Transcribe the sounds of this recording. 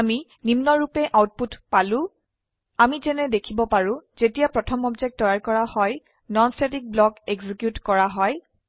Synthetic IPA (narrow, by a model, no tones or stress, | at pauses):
ami | nimnɔɹupɛʔawt̚putpalʊ̃ | amizɛnɛdekʰibɔpaɹʊ̃zetijapɹɔtʰɔmɔbzek̚t̚dɔjaɹkɔɹahɔj | nɔnstetik̚blɔkeɡzikjutkɔɹaɦɔj